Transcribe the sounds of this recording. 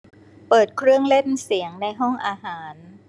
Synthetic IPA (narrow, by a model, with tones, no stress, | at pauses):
pɤː˨˩t̪̚kʰɾɯ˥˩əŋle˥˩nsi˩˦əŋna˧jɦɔ˥˩ŋʔaː˧ɦaː˩˦n